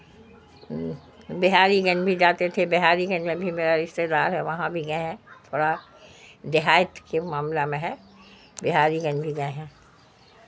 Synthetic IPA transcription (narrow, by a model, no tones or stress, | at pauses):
bɪɦaːɾiɡɐ̃nbʱid͡ʒaːt̪et̪ʰebɪɦaːɾiɡɐnmẽbʱimeːɾaɾɪʃt̪ed̪aːɾɦɛʋɐɦãbʱiɡɐɦɛ̃t̪ʰoːɽa | d̪ɪɦaːjət̪kemaːmlamẽɦɛ | bɪɦaːɾiɡɐnbʱiɡɐɦɛ̃